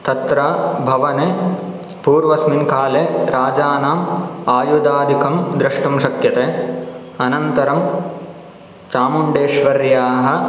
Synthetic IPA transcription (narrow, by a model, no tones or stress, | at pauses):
t̪ɐt̪ɾaːbʱɐʋɐne | puːɾʋɐsminkaːleːɾaːd͡ʒaːnaːmaːjud̪aːd̪ʱikʰɐmd̪ɾɐʂʈɐmʃɐkjɐt̪eː | ɐnɐnt̪ɐɾɐm | t͡ʃaːmuɳɖeːʃʋɐɾjaːɦɐ̆